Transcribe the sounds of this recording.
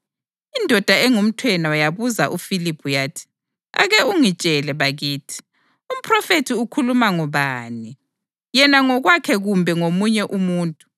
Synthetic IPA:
indʱɔd̥ʱaɛŋum̩tʰwɛnawajaβuzaʔufilipʰʼujaːtʰi̥ | a̰ɣɛuŋit͡ʃʼɛlɛβaɣiːtʰi̥ | um̩pʰʼrɔfetʰiukʰulumaŋɔβaːni | jɛnaŋɔɣwakʰɛɣumbʱɛŋomuɲɛʔumuːntʼu̥

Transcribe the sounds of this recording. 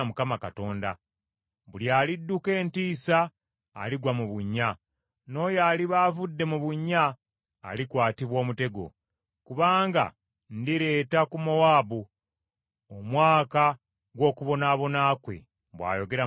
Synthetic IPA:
mukamakato̞ːnda | βuljaːlidːuke̞ːntiːsa̰ː | liɡwamuβuɲːa | no̞jaːliβaːvudːe̞muβuɲːa̰ː | likwaːtiβwo̞ːmute̞ɡo̞̰ | kuβaːŋɡa̰ | ndiɾe̞ːtakumowaːbu | omwaːka | ɡwo̞ːkuβo̞naːβo̞naːkwe̞̰ | βwa̰ːjo̞ɡe̞ɾa

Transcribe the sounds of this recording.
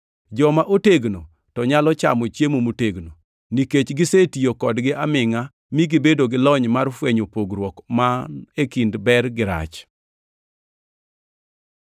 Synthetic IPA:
d͡ʒɔmaʔoteɡno | tɔɲalɔt͡ʃa̰mɔt͡ʃjemomuteɡno | niket͡ʃɡɪsetijokɔdɡɪʔamɪŋa | miɡibedoɡɪlɔɲmarfweɲopoɡɾwɔkmanekindbɛrɡɪɾa̰t͡ʃ

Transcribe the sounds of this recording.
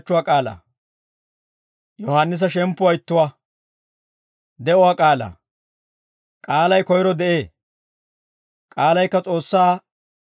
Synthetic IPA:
t͡ʃːʊwaːkʼaːla̰ː | jɔhanːɪs̬ɐʃɛmpːʊwaɪt̪ːʊwaː | d̪ɛʊwaːkʼaːla̰ | kʼaːlɐjkɔjɾɔd̪ɛʔeː | kʼaːlɐjkːɐt͡sʼo̞ːsːaː

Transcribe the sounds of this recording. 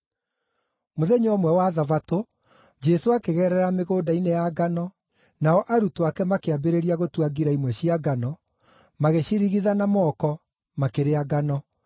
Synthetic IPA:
moðɛɲɔmwɛwaðavato | d͡ʒɛsoakeɣɛɾɛɾameɣoːdainejaɡanɔ | naɔʔaɾutoakɛmakeabeɾeɾiaɣotwaɡiɾaimwɛɕiaɡanɔ | maɣeɕiɾiɣiðanamɔkɔ | makeɾeaɡanɔ

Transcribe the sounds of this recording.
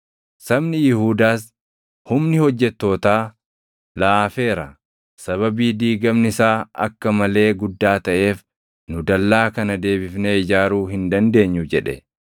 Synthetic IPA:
sɐbnɪjɪhuːd̪aːs̬ | hʊmnɪhɔd͡ʒːɛt̪ːo̞ːt̪aː | laːfe̞ːɾɐ̰ | sɐβɐbiːd̪iːɡɐmnɪsaːɐ̰kːɐmɐle̞ːɡʊd̪ːaːt̪ɐʔe̞ːf | nʊd̪ɐlːaːkɐnɐd̪e̞ːbɪfneːɪd͡ʒaːɾuːhɪnd̪ɐnd̪e̞ːɲːʊd͡ʒɛᶑɛ̰

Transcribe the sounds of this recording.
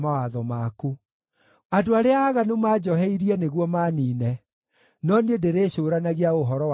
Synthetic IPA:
mawaðɔmaku | adoaɾeaːɣanomad͡ʒɔɦɛiɾiɛneɣwɔmaniːnɛ | nɔnedeɾeɕoːɾanaɣeaoɦɔɾɔw

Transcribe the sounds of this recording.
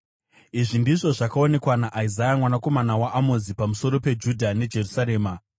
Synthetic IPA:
iʐindiʐo̞ʐakaone̞kwanaʔaizajamwanako̞manawaʔamozipamuso̞ɾo̞pe̞d͡ʒudʱane̞d͡ʒe̞rusaɾe̞ːma

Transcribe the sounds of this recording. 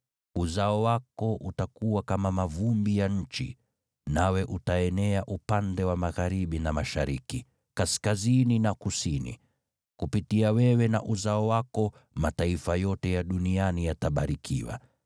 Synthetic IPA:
uzaɔwakɔʔutakuwakamamavumbijaɲ̩t͡ʃi | nawɛʔutaɛnɛaʔupandɛwamaɣaɾiɓinamaʃaɾḭki | kaskazininakusinḭ | kupitiawɛwɛna̰ʔuzaɔwakɔ | mataifajɔtɛjaɗunianijataɓaɾikʰḭwa̰

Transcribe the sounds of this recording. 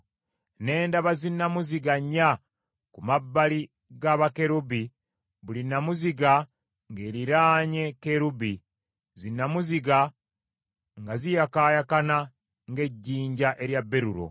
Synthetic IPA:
ne̞ːndaβazinːamuziɡaɲːa | kumabːali | ɡaβake̞ɾubi | βulinamuziɡa | ŋɡe̞ːɾiɾaːɲe̞keɾubi | zinːamuziɡa | ŋɡazijakaːjakana | ŋɡe̞ɟːiːɲɟaʔe̞ɾjabːe̞ɾuɾo̞̰

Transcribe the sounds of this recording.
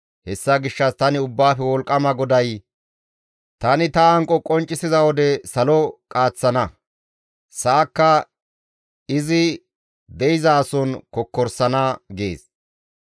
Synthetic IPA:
hɛsːɐɡɪʃːɐst̪ɐnɪʊbːaːfɛwɔlkʼːɐmɐɡɔd̪ɐj | t̪ɐnɪt̪ɐɐŋkʼːɔkʼɔnt͡ʃʼːɪsɪzɐwɔd̪ɛsɐlɔkʼaːt͡sːɐnɐ | saːkːɐ | ɪzɪ | d̪ɛjɪzɐːsɔnkɔkːɔɾsɐnɐɡe̞̰ːs

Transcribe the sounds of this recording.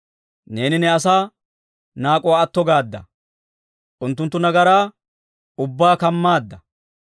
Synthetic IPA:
ne̞ːnɪnɛɐsaː | naːkʼɔwaːɐt̪ːɔɡaːd̪ːɐ̰ | ʔʊnt̪ːʊnt̪ːʊnɐɡɐɾaː | ʊbːaːkɐmːaːd̪ːɐ

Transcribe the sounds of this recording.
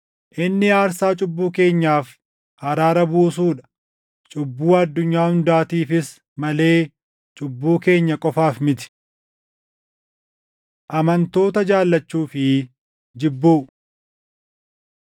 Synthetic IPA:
ʔɪnːɪaːɾsaːt͡ʃʼʊbːuːke̞ːɲːaːf | hɐɾaːɾɐbuːsuːᶑɐ̥ | t͡ʃʼʊbːuːɐd̪ːʊɲːaːhʊnd̪aːt̪iːfɪs | mɐle̞ː | t͡ʃʼʊbːuːke̞ːɲːɐkʼɔfaːfmɪt̪ɪ̥ | ʔɐmɐnt̪o̞ːt̪ɐd͡ʒaːlːɐt͡ʃːuːfɪ | d͡ʒɪbːuː

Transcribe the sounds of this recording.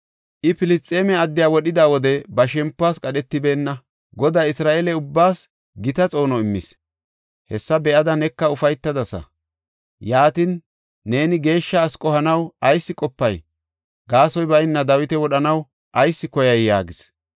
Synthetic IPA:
ʔɪpɪlɪst̪ʼeːmɛɐd̪ːɪjaːwɔɗɪd̪aːwɔd̪ɛbɐʃɛmpːaːskʼɐɗɛt̪ːɪbe̞ːnːɐ | ɡɔd̪aːɪsɾaːʔɛlɛʊbːaːs | ɡɪt̪ɐt͡sʼo̞ːnɔɪmːɪ̰s | hɛsːɐbɛʔɐd̪ɐnɛkːɐʊfɐjt̪ːɐd̪ɐsɐ̰ | jaːt̪ɪnː | e̞ːnɪɡe̞ːʃːɐːskʼɔhɐnɐwɐjsːɪkʼɔpːɐj | ɡaːsɔjbɐjnːɐd̪ɐwɪt̪ɛwɔɗɐnɐw | ʔɐjsːɪkɔjɐjːa̰ːɡɪs

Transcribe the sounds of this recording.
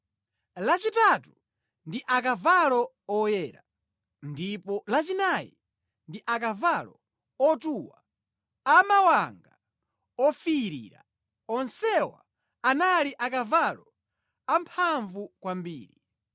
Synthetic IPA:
lat͡ʃitatu | ndiʔak̬avalɔ | ɔjɛɾa̰ | ndipɔlat͡ʃinajḭ | ndiʔakavalɔ | ɔtuwa | amawaŋɡa | ɔfijiɾḭːɾa̰ | ɔnsɛwa̰ | analiʔakavalɔ | ampʰaɱvukwambḭːɾi

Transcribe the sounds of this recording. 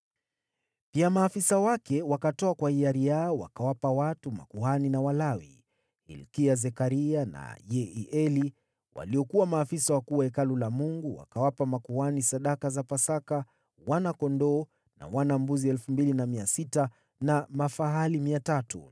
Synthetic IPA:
piamaːfisawakɛwakatɔakwahiaɾijaɔwa̰kawapawatuma̰kuhaninawalawḭ | hḭlkiazɛkaɾiana̰jɛiʔɛli | wa̰liɔkuwamaːfisawakuwaɛkalulamuŋɡuwa̰kawapamakuhanisaɗakazapasaka | wanakɔndɔː | na̰wanambuziɛlfumbilinamiasita | namafaɦalimiatatṵ

